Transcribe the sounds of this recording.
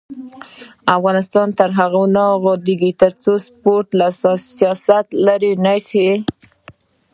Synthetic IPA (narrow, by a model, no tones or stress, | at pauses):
afɣɑnɪst̪ɑnt̪əɾɦaɣanaɣod̪eɡit̪əɾt͡sospoɾʈ̪lassijɑsat̪laɾinaʃi